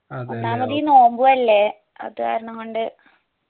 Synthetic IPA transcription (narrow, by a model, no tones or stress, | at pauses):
onːaːmɐðijno̞ːmbuʋɐlːe̞ | ɐ̰ðɨka̰ːɾɐɳɐŋkoɳɖɨ